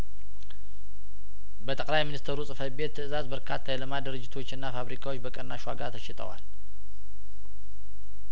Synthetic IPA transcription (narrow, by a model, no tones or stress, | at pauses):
bət̪ʼəkʼlajminist̪ʰəɾusʼɨfət̪̚be̞t̪ʰːɨɨzazbəɾkʰat̪ʰːajɛləmad̪əɾɨd͡ʒːɪt̪ʰo̞t͡ʃːɨnːafaβɾikʰawo̞t͡ʃːbəkʼənːaʃwa̰ɡa̰t̪ʰəʃɪt̪ʰʼə̰wa̰l